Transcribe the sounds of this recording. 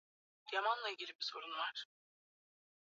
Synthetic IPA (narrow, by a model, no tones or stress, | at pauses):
jamanlˠailʲɟʲilʲibisʰo̞ɾunvaɾ̥